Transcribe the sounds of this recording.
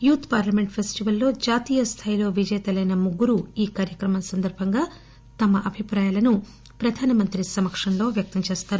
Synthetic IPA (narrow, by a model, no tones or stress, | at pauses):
juːt̪ʰpaːɾlɐme̞ɳʈpʰesʈiʋɐlːo̞ːd͡ʒaːt̪iːjɐst̪ʰaːjilo̞ːʋid͡ʒɛjt̪ɐlɐjnɐmuɡːuɾuiːkaːɾjɐkɾɐmɐnsɐnd̪ɐɾbʱɐŋɡaː | t̪ɐmɐʔɐbʱipɾaːjaːlɐnu | pɾɐd̪ʱaːnɐmɐnt̪ɾisɐmɐkʂɐnlo̞ːʋjɐk̚t̪ɐmt͡ʃeːst̪aːɾu